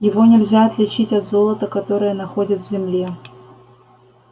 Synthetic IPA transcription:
jɪvo̞nʲɪlʲzʲaɐt̪lʲɪt͡ɕitʲɐd̪zo̞lˠət̪əkɐt̪o̞ɾɨjənɐxo̞dʲɪt̪vzʲɪmlʲe

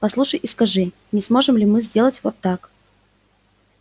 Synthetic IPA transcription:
pɐslˠuʂəjʔiskɐʐɨ | nʲɪsmo̞ʐɨmlʲɪmɨzʲdʲe̞lˠətʲvot̪ːak

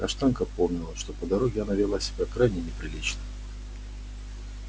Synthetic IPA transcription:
kɐʂt̪ankəpomnʲɪlˠəʂt̪o̞pəd̪ɐɾo̞ɡʲɪanavʲɪlˠasʲɪbʲakɾajnʲɪnʲɪpɾʲɪlʲit͡ɕnə

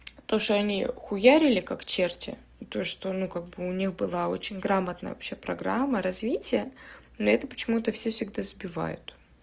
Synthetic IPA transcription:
t̪o̞ʂt̪oɐnʲḭxʊjaɾʲɪlʲɪkakt͡ɕertʲɪ̰ | t̪oʂt̪o̞nukaɡ̚bɨʊnʲixbɨlˠao̞̰t͡ɕɪnʲɡɾamət̪nə̰jə̰vɐ̰pɕepɾɐɡɾamːəɾɐzvʲitʲɪjə | noɛt̪əpə̥t͡ɕɪmut̪əfsʲefsʲɪɡd̪azbʲɪva̰jʊ̰t̪

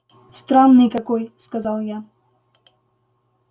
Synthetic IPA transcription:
st̪ɾanːɨjkɐkojskazalˠja

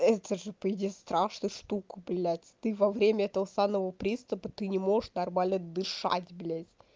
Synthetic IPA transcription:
ɛt̪əʐɨpəjɪdʲest̪ɾaʂnəjʂt̪ukəblʲætʲt̪ɨvɐvɾʲemʲəɛt̪əvəsaməvəpɾʲist̪ɨpət̪ɨnʲɪmo̞ʐəʂnɐrmalʲnəd̪ɨʂa̰tʲblʲetʲ

